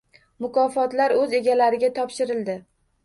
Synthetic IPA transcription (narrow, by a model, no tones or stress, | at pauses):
mʊkʰɒfɒt̪laɾɵze̞ɡʲalaɾɪɡʲat̪ʰɒpʃɪɾɪld̪ɪ